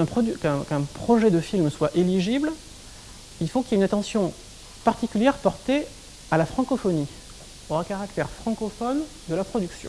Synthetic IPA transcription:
ɛ̃pχɔd̪ykɛ̃kɛ̃pχɔʒɛd̪əfilmswaʔeliʒibl | ilfokʲieynat̪ɑ̃sjɔ̃ | paʁt̪ikʲyljɛʁpɔʁt̪e | alafχɑ̃kɔfɔni | ɔʁakaʁakt̪ɛʁfχɑ̃kɔfɔn | d̪əlapχɔd̪yksjɔ̰̃

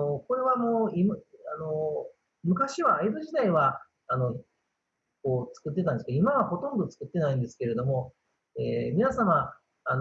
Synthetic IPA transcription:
oko̞ɾe̞βamoːimano̞ | mɯ̟kaɕiβaːed̪ɯʑid̪aiβaː | no̞ | ko̞ːt͡sɨ̥kɯ̟t̪ːet̪ãnd̪skimaβaho̞t̪õ̞nd̪o̞t͡sɨ̥kɯ̟t̪ːe̞naĩnd̪e̞sɨ̥ke̞ɾe̞d̪o̞mo̞ | e̞̰ːmʲinasamaː | n

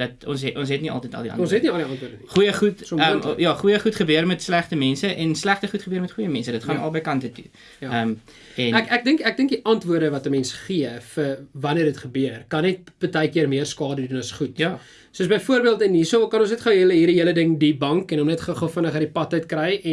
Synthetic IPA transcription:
d̥ɐtɔ̰nsʔɔns̬ɦɛtniɐ̰lˠtəjtɐ̰lˠdiɐ̰nɔ̃nsɛtniɐlˠdiɐntvuəɾdəniχujəχutsɔmmjɑːχujəχutχəbøərmɛtslæχtəmɛnsəʔɛnslæχtəχutχəbøərmɛtχujəmɛnsədətχɐnɐ̰lˠbəjkɐntətṵ | jəm | ɛnækæk̚dəŋkæk̚dəŋkdiʔɐntvuərdəvɐtəmɛnsχiəfəvɐnərdətχəbøərkɐnːɛt̚pətɛjkiərmiərskɑːdədunɐsχutː | suəsbəjfuərbiəlˠtənisokɐnɔnsnɛtχəwɦiələɦiːrdiɦiələdəŋdibɐŋkɛnɔmnɛtχəχəfənəχɐɾdipɐtəjtkrɛjɛ

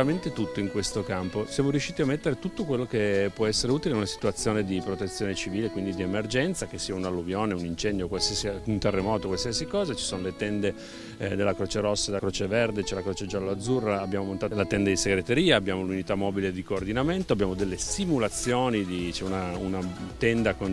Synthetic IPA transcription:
ament̪et̪ut̪ːoiŋkwest̪okamposjamoɾjuʃːiːt̪iamːet̪ːeɾet̪ut̪ːokwelːokepwɔɛsːeɾeuːt̪ileaunasi̥t̪uat̪sːjoːned̪ipɾot̪et̪sːjoːnet͡ʃiviːlekwind̪id̪iemerd͡ʒɛnt̪sak̟esːiːaunalːuvjoːneunint͡ʃɛnd̪jokwalsiasiunt̪erːemɔːt̪okwalsiasikɔːzat͡ʃi̥soːnolet̪ɛnd̪e | d̪elːakɾoːt͡ʃeɾosːad̪kɾoːt͡ʃeverd̪et͡ʃɛlakɾoːt͡ʃed͡ʒalːoad̪zurːaabːjaːmomont̪aːlat̪ɛnd̪ad̪iseɡɾet̪eɾiːaːbːjaːmolunit̪amːɔːbiled̪ikoːrd̪inament̪oabːjaːmod̪elːesimulat̪sːjoːnid̪it͡ʃɛunaunat̪ɛnd̪akon

